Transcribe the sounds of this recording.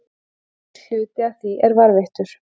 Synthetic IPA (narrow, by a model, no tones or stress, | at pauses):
h̪ʏːt̪ɪaθiʔɛɾvaɾvɪht̪ʏɾ̥